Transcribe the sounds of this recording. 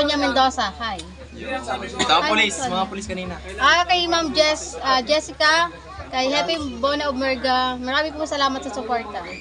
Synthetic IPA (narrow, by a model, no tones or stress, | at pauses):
ʊɲɐmɛnd̪oːsɐhaj | t̪oaʊlismɐŋapʊliskɐniːnɐ | ʔakɐjmamd͡ʒɛsɐd͡ʒɛsɪkɐ | kɐjɦɛpibonɐoɡ̚mɛɹɡɐmɐɾaːmɪpʊŋsɐlaːmɐt̪̚sɐsʊpoɹt̪ɛ